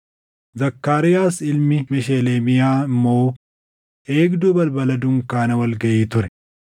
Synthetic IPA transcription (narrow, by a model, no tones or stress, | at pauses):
zɐkːaːɾɪjaːsɪlmɪmɛʃeleːmɪjaːmoː | ʔeːɡd̪uːbɐlbɐlɐd̪ʊŋkaːnɐwɐlɡɐjeːt̪ʊɾɛ